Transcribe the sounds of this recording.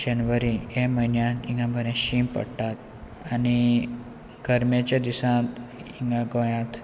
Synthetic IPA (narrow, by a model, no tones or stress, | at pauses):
d͡ʑənʋəɾieməinjãt̪iŋɡãbʱəɾãɕimpə̰ɽʈat̪̚ | ani | ɡəɾmat͡ɕad̪isãt̪iŋɡãɡõjãt̪